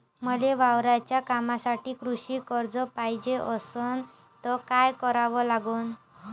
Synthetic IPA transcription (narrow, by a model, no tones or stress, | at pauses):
məleʋawɾajt͡ɕjakamasaʈiːkɾuɕiːkəɾd͡zɔpajd͡ʑeʔəsən | t̪ɔkajkɔɾaʋɔlaɡuːn